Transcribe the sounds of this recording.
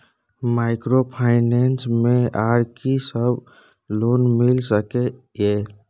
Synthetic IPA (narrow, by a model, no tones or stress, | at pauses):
maɪkɾopʰaɪnensmeaɾkisəbʱ | lonmilsəke | je